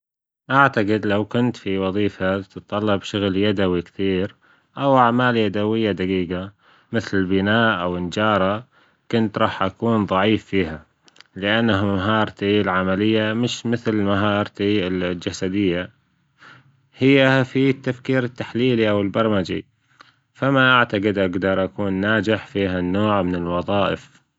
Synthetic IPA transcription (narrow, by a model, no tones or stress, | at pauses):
ʔaʕt̪aqɪd̪lawkʊnt̪fiwɑðˤiːfat̪ɨt̪ˤːɑlːɑbʃʊɣljad̪awikθiːɾ | ʔawʔaʕmaːljad̪awɪjːad̪aɡiːɡa | mɪθlɪlbɪnaːʔʔawɪnd͡ʒɑːɾˤɑ | kʊnt̪ɾˤɑːħʔakuːnðˤɑʕiːfːiːɦa | lɪʔanːahmaɦɑːɾˤt̪ilʕamalɪjːamɪʃmɪθlmaɦɑːɾˤt̪illd͡ʒasad̪ɪjːa | hɪjːafit̪ːafkiːɾɪt̪ːaħliːliʔawɪlbɑɾˤmad͡ʒḭ | famaʔaʕt̪aqɪd̪ʔaɡd̪ɑɾˤʔakuːnːaːd͡ʒɪħfiːɦanːoːʕmɪnɪlwɑðˤɑːʔɪ̰f